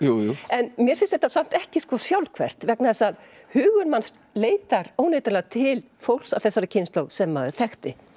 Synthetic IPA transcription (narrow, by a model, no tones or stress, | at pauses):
jujuɛnmjɛɾfɪnst̪ɛht̪asam̥t̪ɛhcɪskvɔsjawlkʰvɛ̰r̥t̪vɛknaðɛsað | hʏːɣʏɾmanst̪ | leːjt̪aɾoːwneːjt̪ɪlat̪ʰɪl | fowl̥savθɛsːaɾacʰɪjnst̪lowðsɛmːaːðʏθɛxt̪ɪ